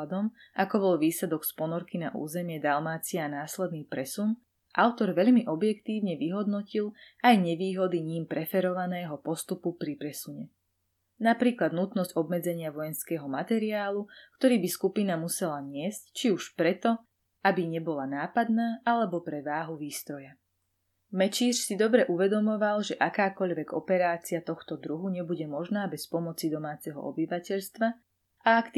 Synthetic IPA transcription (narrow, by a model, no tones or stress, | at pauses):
d̪ɔm | ʔakɔbɔlʋiːslɛd̪ɔkspɔnɔɾkina̰ʔṵːzɛmɪɛd̪almaːt͡siaːnaːslɛd̪niːpɾɛsun | ʔaʊt̪ɔɾʋɛʎmiʔɔbjɛkt̪iːʋɲɛʋiɦɔd̪nɔcilʔajɲɛʋiːɦɔd̪iɲimpɾɛfɛɾɔʋanɛːɦɔpɔst̪upupɾipɾɛsuɲɛ | napɾiːklad̪nut̪nɔzɟɔbmɛd͡zɛɲɪaʋɔjɛnskɛːɦɔmat̪ɛɾiaːlukt̪ɔɾiːbiskupinamusɛlaɲɪɛsct͡ʃiuʃpɾɛt̪ɔ | ʔabiɲɛbɔlanaːpad̪naːʔalɛbɔpɾɛʋaːɦuʋiːst̪ɾɔja | mɛt͡ʃiːʃsid̪ɔbɾɛʔuʋɛd̪ɔmɔʋalʒɛʔakaːkɔʎʋɛɡɔ̰pɛɾaːt͡siat̪ɔxt̪ɔd̪ɾuɦuɲɛbuɟɛmɔʒnaːbɛspɔmɔt͡sid̪ɔmaːt͡sɛɦɔ̰ɔ̰biʋacɛʎst̪ʋa | aakt̪